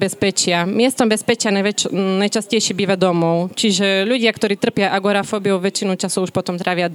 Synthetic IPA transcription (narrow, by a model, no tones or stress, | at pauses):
bɛspɛt͡ʃɪamɪɛst̪ɔmbɛspɛt͡ʃɪananajt͡ʃascɛjʃibiːʋad̪ɔmɔʊt͡ʃiʒɛʎuɟɪakt̪ɔɾiːt̪r̩pjaʔaɡɔɾafɔːbiuʋɛt͡ʃinut͡ʃasɔuʃpɔt̪ɔmt̪ɾʔaʋɪa